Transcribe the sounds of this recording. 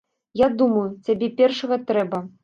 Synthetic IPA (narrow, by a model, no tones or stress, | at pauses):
jad̪umɐjut͡sʲabʲɛpʲɛrʂɐɣɐt̪ɾɛbɐ